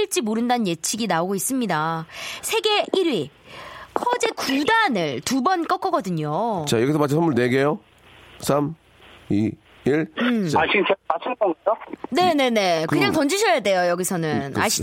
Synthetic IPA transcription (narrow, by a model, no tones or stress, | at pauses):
iɭt͡ɕ͈imoɾɯndanɯnje̞t͡ɕʰiɡinaoɡois͈ɯmɲidasʰe̞ɡe̞iɾɥi | kʰʌd͡ʑe̞kudanɯɭtubʌnk͈ʌk͈ʌɡʌdɯɲot͡ɕajʌɡis̬ʰʌmat͡ɕʰisʌnmuɭne̞ɡejo | sʰam | i | iɭaɕʰit͡ɕemat͡ɕʰinkʌŋɡʌd͡ʑone̞ne̞ne̞kkɯɲaŋtʌnd͡ʑuɕʰʌjade̞jojʌɡisʰʌnɯnaɕʰi̥